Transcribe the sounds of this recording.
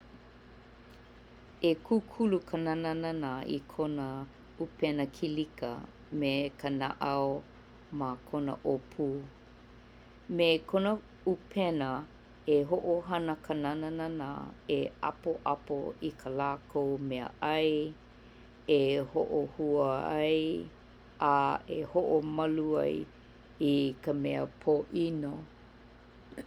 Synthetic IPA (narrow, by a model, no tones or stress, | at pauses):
ekʰukʰulukʰananananaḭkʰonə | upɛnəkʰilikə̰ | mekʰəna̰ʔɐw | makʰonə̰ʔopʰuː | mekʰonə | upʰɛnə | eɦoʔoɦɐnəkənananana̰eɐ̰poʔɐpo̰ikʰəlaːkʰowmɛə̰ʔɐj | eho̰ʔohuəɐ̰j | aḛhoʔomɐluɐ̰j | ikəmɛəpʰoʔino